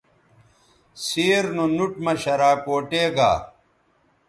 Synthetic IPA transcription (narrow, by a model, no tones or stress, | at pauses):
siːɾnonuʈ̚mɐɕɐɾaːkoːʈeːɡa̰ː